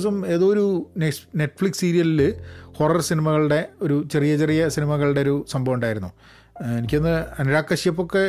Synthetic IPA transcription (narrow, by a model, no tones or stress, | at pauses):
sɐme̞ːðoːɾunene̞ʈːfɭiksiːɾijɐlilɨho̞rɐrsinimɐɣɐɭɨɽe̞o̞ɾut͡ɕe̞rijɐt͡ɕerijɐsinimɐɣɐɭɽe̞oɾusɐmbʱɐʋuɳɖaːjiɾunːu | e̞nikʲːenːɨɐnɐɾaːkːɐɕjɐpːo̞kːe̞